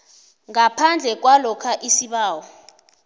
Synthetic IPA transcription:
ŋapʰand͡ɮʱɛk̬walɔkʰaʔisiɓaːwɔ

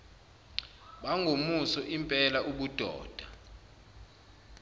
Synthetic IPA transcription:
ɓaŋɡʱomusɔʔimpʼɛlaʔuɓud̥ʱɔ̰ːd̥ʱa

